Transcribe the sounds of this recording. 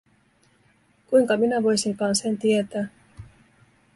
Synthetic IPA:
kujŋkɑminæʋo̞jsiŋkɑːnsent̪iet̪æː

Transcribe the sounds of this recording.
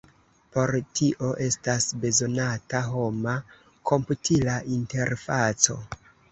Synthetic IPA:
po̞ɾtʰiʔo̞ʔe̞stasbe̞zo̞nataɦo̞ma | kʰo̞mputʰilaʔinte̞ɾfat͡so̞̰

